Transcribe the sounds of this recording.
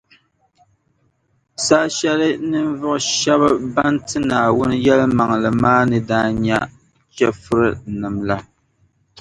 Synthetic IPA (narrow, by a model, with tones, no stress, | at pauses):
saː˦ʃɛ˦lɨ˦nɨ˦n˦vʊ˦ʔʃɛ˦βɨ˦ba˦ntɨ˦naː˨wʊ˦nɨ˦jɛ˦lma˨ŋlɨ˨maː˦nɨ˨daː˦ɲa˦ | t͡ʃɛ˦fu˦ɾɨ˦nɨ˨mla˦